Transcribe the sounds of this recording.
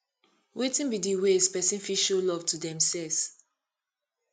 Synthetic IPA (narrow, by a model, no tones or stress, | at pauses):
wetĩnbidiwespɛsĩnfiʃolɔv̥tudɛ̃msɛls